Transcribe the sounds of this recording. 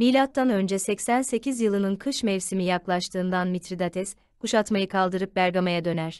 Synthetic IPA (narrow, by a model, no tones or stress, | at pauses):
milʲat̪ːanø̞nd͡ʒɛsɛcsænse̞cizjɯlˠɯnɯnkʰɯʃmɛvsimijaklˠaʃt̪ʰɯːnd̪anmit̪ɾid̪at̪ʰɛs | kuʃat̪majɯkʰalˠd̪ɯɾɯp̚bæɾɡamajad̪ø̞næɾ̥